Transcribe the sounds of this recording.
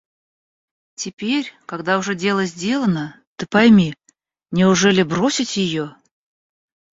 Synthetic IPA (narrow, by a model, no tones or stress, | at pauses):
tʲɪpʲeɾʲkaɡd̪aʊʐɛdʲe̞lˠəzʲdʲe̞lˠənə | t̪ɨpɐjmʲi | nʲɪʊʐɛlʲɪbɾo̞sʲɪtʲjɪjo